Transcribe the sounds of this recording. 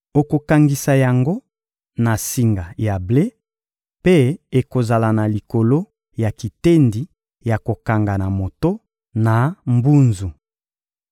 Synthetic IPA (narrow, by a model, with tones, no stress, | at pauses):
o˨ko˨ka˨ŋɡi˨sa˨ja˨ŋɡo˦ | na˨si˨ŋɡa˨ja˨ble˦ | pe˦e˨ko˨za˨la˨na˨li˨ko˨lo˦ | ja˨ki˨te˦ndi˨ | ja˨ko˨ka˨ŋɡa˨na˨mo˨to˦ | na˨mbu˦nzu˨